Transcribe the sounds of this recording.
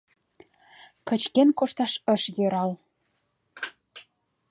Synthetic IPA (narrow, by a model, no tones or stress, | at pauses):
kə̆t͡ɕkenkoʃt̪ɑʃə̆ʃjɤ̆ɾɑl